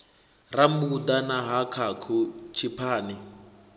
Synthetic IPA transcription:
rambud̪anaɦakʰakʰut͡ʃʰipʰaːni

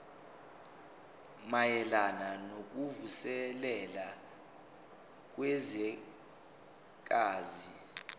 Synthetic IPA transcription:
majɛlananok̬uvusɛlɛla | k̬wɛzɛ | k̬aːzi

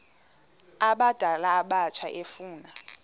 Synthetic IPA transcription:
aɓad̥ʱalaːɓat͡ʃʰaʔefuːna

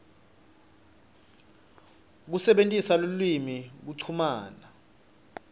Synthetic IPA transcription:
k̬usɛɓentʼisalolwimik̬uǀʰumaːna

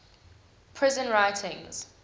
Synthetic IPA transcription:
pʰɹɪzə̃nɹajtʰɪ̃ŋz̥

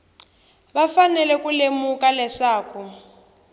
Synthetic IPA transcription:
βafanɛlɛkulemukalɛʂaːku

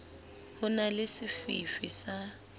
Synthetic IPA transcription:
hʊnalɪsɪfḭfisa

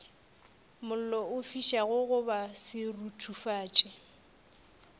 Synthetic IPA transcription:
mʊl̩lɔʊfiʃaɣʊɣʊbasɪrutʰufaːt͡ʃʼɪ

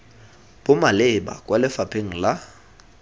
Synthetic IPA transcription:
b̥ʊmalɪba̰kʼwalɪfapʰeŋ̩la

